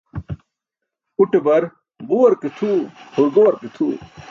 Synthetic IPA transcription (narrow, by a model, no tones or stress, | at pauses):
uʈebɐɾ | ɡuwɐɾket̪ʰuhuɾɡowɐɾket̪ʰṵː